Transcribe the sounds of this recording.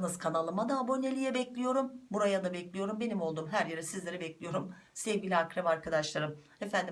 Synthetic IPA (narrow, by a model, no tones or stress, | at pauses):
nɯzkʰanalˠɯmad̪aːbo̞nelʲijɛbɛclʲijo̞ɾumbuɾajad̪abɛclʲijo̞ɾumbe̞nimo̞lˠd̪uːmɦæɾjeɾɛsizlʲe̞ɾɛbɛclʲijo̞ɾum | sɛvɟʲilʲiakɾamaɾkad̪aʃlˠaɾɯm | e̞fænd̪i